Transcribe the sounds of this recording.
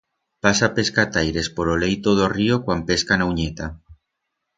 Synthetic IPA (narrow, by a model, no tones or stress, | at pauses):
pasapeskat̪ajɾe̞spoɾolejt̪oðoriokwampeskanawɲet̪a